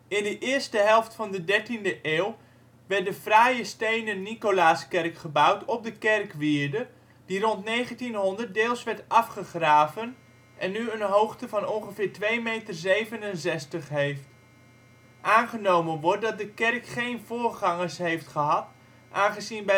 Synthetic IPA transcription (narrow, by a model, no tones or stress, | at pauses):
ɪndəʔɪːɹstəɦɛlˠftfɑndədɛɹtindəʔeːw | ʋɛɹt̚dəfrajəstejnənːikolaːskɛrkχəbawtʰɔp̚dəkɛrkʋɪːɹdə | d̥irɔntnejχəntinɦɔndərt̚deːlˠsʋɛɹtɑfχəχraːvən | ʔɛnːyənɦowχtəvɑnɔnχəvɪːɹtʋejmejtərzejvənənzɛstəχɦejft | ʔaːnχənowmənʋɔɹt̚dɑt̚dəkɛrkχejnvʊːɹχɑŋəsɦejftχəɦɑt | ʔaːnχəzinbɛ